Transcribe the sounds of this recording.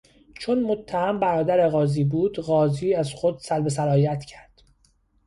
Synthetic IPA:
t͡ʃʰonmot̪ʰːæhæmbæɾɒːd̪æɾe̞ɣɒːziːbuːd̪̥ɣɒːziːæzxo̞d̪̥sælbe̞s̬æɾɒːjæt̪ʰcʰæɾd̪̥

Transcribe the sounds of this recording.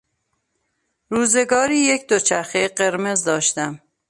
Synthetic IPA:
ɾuːze̞ɡɒːɾiːjekʰd̪ot͡ʃʰæɾxeɢe̞ɾmezd̪ɒːʃt̪æm

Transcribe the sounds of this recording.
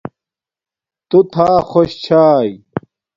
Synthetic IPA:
t̪ut̪ʰaːxoɕt͡ɕʰaːj

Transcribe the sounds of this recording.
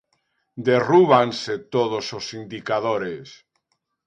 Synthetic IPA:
d̪eruβanset̪oðososind̪ikaðoɾes

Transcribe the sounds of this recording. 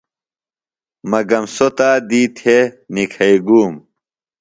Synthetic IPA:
mɐɡɐmsot̪aːd̪iːt̪ʰenikʰɐiɡuːm

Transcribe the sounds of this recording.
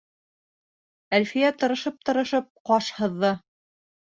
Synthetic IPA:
ælfijæt̪ɤ̆ɾɤ̆ʃɤp̚t̪ɤ̆ɾɤ̆ʃɤp̚qɑʃhɤ̆ðːɤ

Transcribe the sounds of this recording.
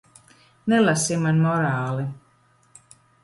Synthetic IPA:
nelˠasimanmɔɾaːlˠi

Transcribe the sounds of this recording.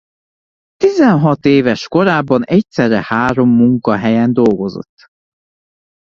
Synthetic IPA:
t̪izɛnɦɒt̪eːvɛʃko̞ɾaːbːɒnɛc̚t̪sɛrːɛhaːɾo̞mːuŋkɒɦɛjɛnd̪o̞lɡo̞zo̰t̪ː

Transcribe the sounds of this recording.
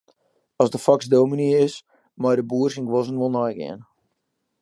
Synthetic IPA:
ɔzdəfɔksdowminiəɪs | mɔjdəbuərsinɡʋɔzənʋolˠnɔjɡɪ̰ən

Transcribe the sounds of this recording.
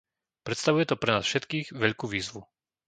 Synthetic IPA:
pɾɛt̪st̪aʋujɛt̪ɔpɾɛnaːsfʃɛt̪kiːɣʋɛʎkuʋiːzʋu

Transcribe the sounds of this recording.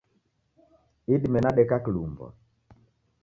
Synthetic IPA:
iɗimɛnaɗɛkaklumbɔ̰

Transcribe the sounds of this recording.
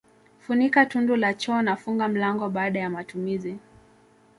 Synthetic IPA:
funikatundulat͡ʃɔːnafuŋɡam̩laŋɡɔɓaːɗajamatumizi

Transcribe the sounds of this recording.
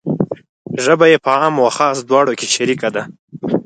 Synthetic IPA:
ʒəbajepəɑmwaxɑsd̪wɑɽokeʃaɾikad̪a

